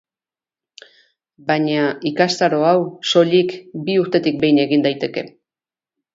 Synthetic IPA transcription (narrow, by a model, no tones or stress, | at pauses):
baɲaikast̪aɾo̞awso̞ʎikbiuɾt̪e̞t̪ik̚be̞jne̞ɣind̪ajt̪e̞ke̞